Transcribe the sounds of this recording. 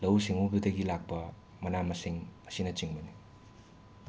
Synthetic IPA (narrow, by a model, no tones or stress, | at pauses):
lɐwsiŋubɐdɐɡilak̚pɐ | mɐnamɐsiŋɐsinɐt͡ʃiŋbɐni